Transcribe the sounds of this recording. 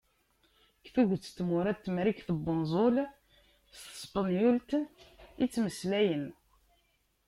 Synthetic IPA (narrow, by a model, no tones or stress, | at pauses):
kθuʝt͡sːt̪ːmʊɾæt̪ːmɾikθəbːʊnzˤol | t̪ə̥sˤpənjult̪ənit͡sːməslæjən